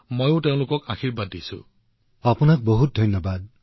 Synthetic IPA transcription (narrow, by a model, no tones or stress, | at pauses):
mojʊ̃teʊ̃lʊkɔkaxiɹbadːisṵ | apunak̚boɦut̚dʱɔjnjɔbad̚